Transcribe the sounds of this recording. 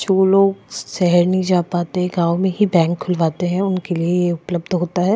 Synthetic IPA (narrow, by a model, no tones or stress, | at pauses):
t͡ʃoːloːɡsɛɦəɾnɐɦĩd͡ʒaːpaːt̪eɦɛ̃ɡãːʋmẽɦibɛ̃ːŋkʰːʊlʋaːt̪eɦɛ̃ʊnkeliejeʊpləbd̪ɦoːt̪aɦɛː